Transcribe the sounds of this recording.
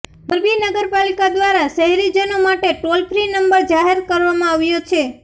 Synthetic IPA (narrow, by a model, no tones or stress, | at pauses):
bəɾbinəɡəɾpalikad̪ʋaɾaʃəɦɛɾid͡ʒənomaʈeʈolpɾinəmbəɾd͡ʒaɦeɾkəɾʋamãaʋjot͡ʃʰe